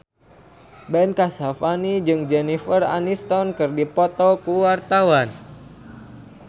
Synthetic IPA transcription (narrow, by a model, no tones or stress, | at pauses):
bɛnkasafanid͡ʒɨŋd͡ʒɛnifəra̰nist̪ɔnkɨrdipɔt̪ɔkuwart̪awan